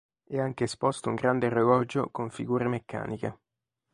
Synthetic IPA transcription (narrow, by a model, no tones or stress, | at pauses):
ɛaŋk̟eːspɔst̪ouŋɡɾand̪erevɔd͡ʒokoɱfḭɡuːɾemekʰːa̰ːnike